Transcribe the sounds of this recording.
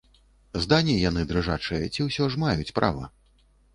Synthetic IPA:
zd̪anʲijanɨd̪ɾɨʐat͡ʂɨjɛt͡sʲiwsʲɔʐmajut͡sʲpɾʔa̰vɐ̰

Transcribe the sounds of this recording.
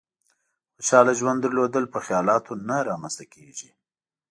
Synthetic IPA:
xət͡ʃɑlaʒwand̪əɾlod̪əlpəxjɑlɑt̪ʰonaɾɑmanst̪akʰeʒi

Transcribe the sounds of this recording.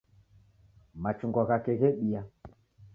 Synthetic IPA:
mat͡ʃuŋɡɔɣakɛɣɛɓija

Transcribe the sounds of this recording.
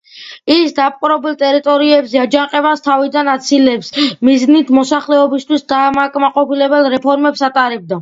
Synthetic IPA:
isd̪ap̚ʼqʼuɾɔbɛlˠt̪ʼɛɾit̪ʼɔɾiɛbzɛad͡ʒanqʼɛvast̪ʰavid̪anat̪sʰilɛpsmiznit̪ʰmɔsaχlɛɔbist̪ʰwisd̪amakʼmaqʼɔpilɛbɛlˠɾɛpʰɔɾmɛpsat̪ʼaɾɛb̚d̪a

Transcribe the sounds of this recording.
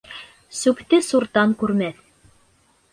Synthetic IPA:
sʉpt̪ɘsuɾt̪ɑŋkʉɾmæθ

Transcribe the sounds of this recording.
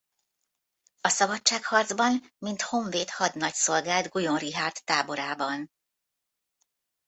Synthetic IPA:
ɒsɒbɒt͡ʃt͡ʃːaːkhɒrd̪zbɒnmint̪ho̞ɱveːt̪hɒd̪nɒcso̞lɡaːld̪ɡujo̞nriɦaːrt̪ːaːbo̞ɾaːbɒn

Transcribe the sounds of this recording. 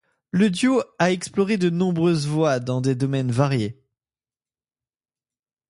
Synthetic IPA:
ləd̪joaɛksplɔʁed̪ənɔ̃bʁøzvwad̪ɑ̃d̪ed̪ɔmɛnvaʁje

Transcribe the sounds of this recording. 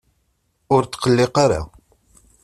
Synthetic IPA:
ʊɾt͡s̪ːqəlːɪqaɾa̰

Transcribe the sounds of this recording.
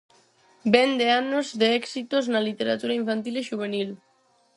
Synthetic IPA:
bɛnd̪eanozðeɛksit̪oznalit̪eɾat̪uɾaiɱfant̪ileʃuβ̞enil

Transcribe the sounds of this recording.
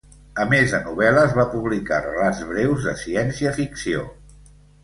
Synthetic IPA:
əmezðənuβ̞ɛləːzβapuβlika̰rəladd͡zβɾewzðəsiɛnsiəfiksio̰

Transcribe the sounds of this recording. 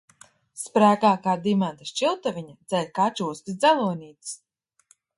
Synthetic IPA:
spɾæːɡaːkaːd̪imant̪aʃt͡ʃilˠt̪aviɲad̪z̥ɛlʲkat͡ʃuːst̪ʲisd̪zælˠuɔnʲiːt̪s

